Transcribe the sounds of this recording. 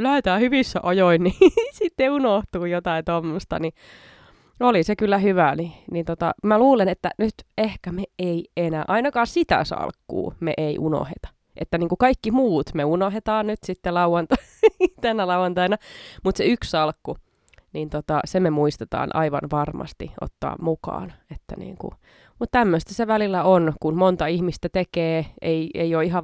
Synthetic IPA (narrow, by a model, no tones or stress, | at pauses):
løet̪æːhyʋisːæʔojoinnisit̪ːeunoht̪uːjot̪ɑit̪omːost̪ɑ̰ni | olisekylːæhyʋæninint̪ot̪ɑ̰mæluːlenet̪ːænyt̪ehkæmeeienæ̰ːʔɑinɑkɑːsit̪æ̰sɑ̰lkːṵːmḛʔeiʔuno̰hḛt̪ɑ̥ | ʔḛt̪ːæniːŋkukɑikːimuːt̪meunoɦet̪ɑːnnyt̪sit̪ːelɑuwɑnt̪ɑt̪ænːælɑuwɑnt̪ɑinɑmut̪seyksɑlkːu | niːnt̪ot̪ɑsememuist̪et̪ɑ̰ːnʔɑ̰iʋɑ̰nʋɑrmɑ̰st̪iʔo̰t̪ːɑ̰ːmmukɑ̰ːnet̪ːæ̰nḭːŋkṵ | mut̪t̪æmːøst̪æseʋælilːæonkunmont̪ɑihmist̪æt̪ekeːʔeiḛioiɦɑ